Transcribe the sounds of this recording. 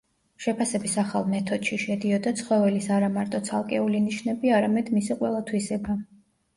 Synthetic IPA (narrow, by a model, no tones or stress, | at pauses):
ʃɛpʰasɛbisaχalˠmɛt̪ʰɔd̪̥ʃiʃɛd̪iɔd̪at̪sʰχwɔvɛlisaɾamaɾt̪ʼɔt̪sʰalˠkʼɛuliniʃnɛbiaɾamɛd̪misiqʼwɛlˠat̪ʰwisɛba